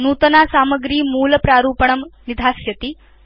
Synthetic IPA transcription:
nuːt̪ənasaːməɡɾiːmuːləpɾaːɾuːpəɳ̃ɐmnid̪ʱasjɐt̪i

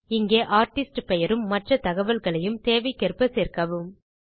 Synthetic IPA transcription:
ɪŋɡeːʔaːɾʈɪsʈpɛjɐɾɯmːɐʈrɐt̪ɐɣɐʋɐlɣɐɭɐjɯmt̪eːʋɐɪkːɛɾpːɐseːɾkɐʋɯm

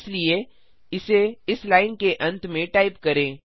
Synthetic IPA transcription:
slie | ɪseɪslaːɪnkeʔɐ̃nt̪mẽʈaːɪpkɐɾẽː

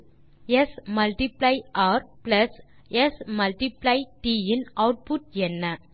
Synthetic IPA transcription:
ɛsmɐlʈiplɐɪʔaːɾplɐs | ɛsmɐlʈiplɐɪʈiːɪnɐʊʈ̚pʊʈ̚ɛnːɐ

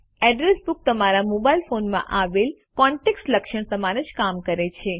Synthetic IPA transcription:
ɛɖɾesbuk̚t̪əmaɾamobailfonmã̰ʔaʋel | kɔ̃ɳʈeksʈləkʃəɳsəmanəd͡ʒkamkəɾet͡ʃʰe

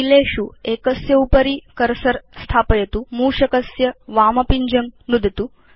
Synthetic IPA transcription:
ileːʃuekɐsjɐupɐɾikɐɾsɐɾst̪ʰaːpɐjɐt̪umuːʂɐkɐsjɐʋaːmɐpiɲd͡ʒɐŋnud̪ʱɐt̪u

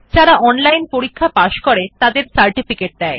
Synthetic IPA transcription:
d͡ʑaɾaʔɔnlajnpoɾikʰːapaʃkoɾet̪ad̪eɾsaɾʈifikeʈ̚d̪ɛe

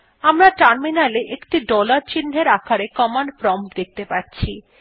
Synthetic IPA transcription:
amɾaʈaɾminaleʔekʈiɖɔlaɾt͡ɕinːeɾakʰaɾekɔmanpɾɔmpd̪ek̚t̪epaɾt͡ɕʰi

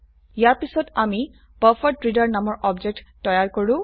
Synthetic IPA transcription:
jaɹpisɔtami | papʰɔtːɹidaɹnamɔɹʔɔbd͡ʒek̚tːɔjaɹkoɹʊ̃

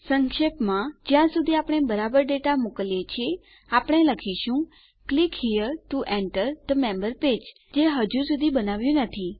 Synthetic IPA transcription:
səŋkʃepmãd͡ʒjãsud̪ʱiapɽ̃ebəɾabəɾɖeʈamokəljet͡ʃʰie | apəɽ̃eləkʰiʃũ | klikhijəɾʈuʔɛɳʈəɾd̪əmɛ̃mbəɾped͡ʒ | d͡ʒeɦəd͡ʒũsud̪ʱibənaʋjũnət̪ʰi

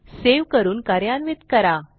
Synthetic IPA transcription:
seʋkəɾuːnkaɾjanʋit̪kəɾa

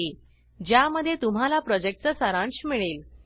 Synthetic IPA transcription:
e | d͡ʑjaməd̪ʱːjet̪um̤alapɾɔd͡ʑek̚ʈ̚t͡səsəɾãɳɕmiɭel

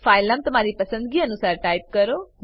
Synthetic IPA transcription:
pʰaːɪlaːmt̪ʊm̤aːɾiːpəsə̃nd̪ɡiːənusaːɾʈaːɪp̚kəɾoː

